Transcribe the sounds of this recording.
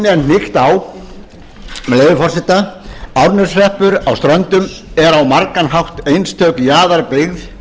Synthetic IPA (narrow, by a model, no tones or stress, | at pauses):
nɛnnɪxt̪aw | mɛleːðʏfɔrsɪt̪aawɾnʏɾ̥srɛhpʏɾawst̪ɾœnt̪ʏm | ɛɾawmaɾkanɦawht̪ejnst̪ʰœːkjaːðaɾpɪɣð